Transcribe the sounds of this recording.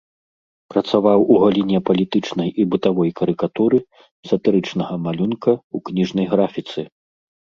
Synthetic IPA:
pɾɐt̪savawʔuɣalʲinʲɛpɐlʲit̪ɨt͡ʂnɐjʔibɨt̪avɔjkɐɾɨkat̪uɾɨ | sɐt̪ɨɾɨt͡ʂn̪ɐɣɐmalʲunkɐuknʲiʐnɐjɣɾafʲit̪sɨ

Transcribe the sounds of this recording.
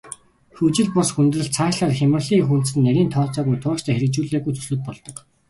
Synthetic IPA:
xɵt͡ɕɪ̆ɮpɔsxunt̪rɘ̆ɮt͡sʰaːʃɮaːrxʲamə̆rɮiːŋxun̥sɘ̆nːæɾʲiːnt̪ʰɔːt͡sɔːɣujt̪ʰʊːt͡ɕt̪ʰæːxeɾɘ̆k̚t͡ɕuːɮeːɣujt̪ʰɵ̥sɵ̆t̪̚pɔɮt̪ɞ̆k

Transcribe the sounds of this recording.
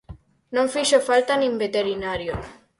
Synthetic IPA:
nõŋfiʃofalt̪anĩmbet̪eɾinaɾjo

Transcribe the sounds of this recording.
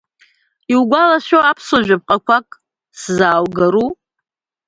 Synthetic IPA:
iwɡʷalaʃᶣoapʰsoʒᶣap̚qʼakʷʰakʼ | szaːwɡaɾu

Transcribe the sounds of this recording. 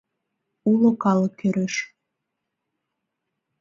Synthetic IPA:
ulokɑləkːøɾeʃ

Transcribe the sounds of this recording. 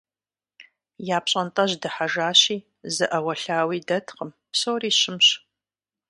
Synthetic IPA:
jaːpɕʼɐntʼɐʑdɐħaʒaːɕiː | zɨʔɐwɐɬaːwiːdɐtʰqəm | psowriːɕɪmɕ

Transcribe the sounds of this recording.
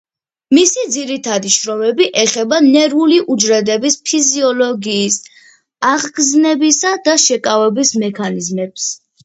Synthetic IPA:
misid̪ziɾit̪ʰad̪iʃɾɔmɛbiʔɛχɛbanɛɾuliʔud͡ʒɾɛd̪ɛbispʰiziɔlɔɡiːs | aʁɡznɛbisad̪aʃɛkʼavɛbismɛkʰanizmɛps

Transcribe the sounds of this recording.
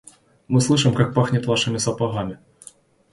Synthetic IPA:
mɨslˠɨʂɨmkak̚paxnʲɪt̪vaʂɨmʲɪsɐpaɣamʲɪ

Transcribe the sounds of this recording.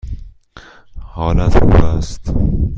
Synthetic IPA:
hɒːlæt̪ʰṵːbæst̪

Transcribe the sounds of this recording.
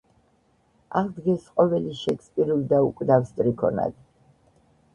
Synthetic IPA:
aʁld̪ɡɛsqʼɔvɛliʃɛkspʼiɾuld̪aukʼd̪avst̪ʼɾikʰɔ̰na̰d̪

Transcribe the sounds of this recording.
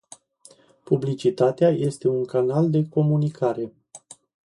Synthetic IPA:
publit͡ʃit̪at̪eaje̞st̪e̞uŋkanald̪e̞ko̞munikʰaɾe̞

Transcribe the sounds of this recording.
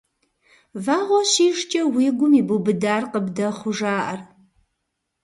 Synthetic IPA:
vaːʁʷɔɕiːʂt͡ʃʼɐwiːɡʷʊmiːbubɨdaːrqəbdɐχʷʊʐaːʔɐr

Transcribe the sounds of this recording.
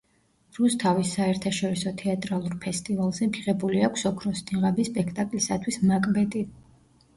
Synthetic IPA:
ɾust̪ʰavisːaɛɾt̪ʰaʃɔɾisɔt̪ʰɛat̪ʼɾalˠuɾpʰɛst̪ʼivalˠzɛmpʰiʁɛbuliakʷʰsɔkʰɾɔsniʁabispʼɛkʰt̪ʼakʼlisat̪ʰwismakʼbɛt̪ʼi

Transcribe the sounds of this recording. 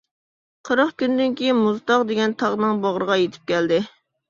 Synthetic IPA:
qʰəɾɑχkʲynd̪ɪnkʲʰejinmuzt̪ɑʁd̪eɡʲɛnt̪ʰɑʁnɨŋbɑʁɾəʁɑjet̪ʰɪ̥p̚kʲɛld̪ɪ

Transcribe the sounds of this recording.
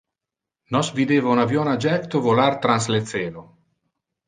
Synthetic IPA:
nɔsvid̪eːvaunavjɔnad͡ʒɛkt̪ovolaɾt̪ɾanslet̪seːlo

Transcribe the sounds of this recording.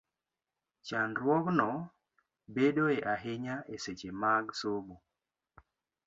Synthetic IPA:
t͡ʃanɾwɔknɔ | beɗoeʔaɦeɲaʔeset͡ʃemaɡsomo

